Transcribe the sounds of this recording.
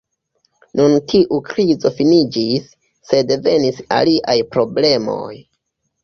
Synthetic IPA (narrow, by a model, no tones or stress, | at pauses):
nuntʰiʔukɾizo̞finid͡ʒisː | e̞deve̞nisa̰liʔajpɾo̞ble̞mo̞̰j